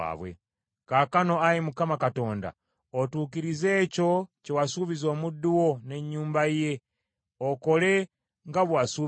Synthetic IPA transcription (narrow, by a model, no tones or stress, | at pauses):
a̰ːβwḛ | kaːkano̞ajimukamakato̞ːnda̰ | otuːkiɾize̞ːco̞cewasuβizo̞ːmudːuwo̞ne̞ɲːuːmbaije̞ | oko̞le̞ | ŋɡaβwasuː